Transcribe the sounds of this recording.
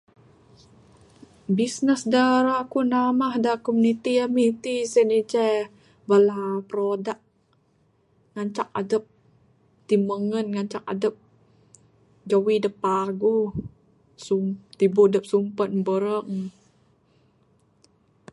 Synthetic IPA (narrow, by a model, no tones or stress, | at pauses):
bisnəsdaɾakunamahdakomunit̪iamit̪isenid͡ʒɛ | balapɾodaʔ̚ | ŋaɲt͡ʃak̚adəp̚ | t̪iməŋənŋaɲt͡ʃak̚a̰dəp̚ | d͡ʒawidəpaɡu | sut̪ibodəp̚sumpənbəɾəŋ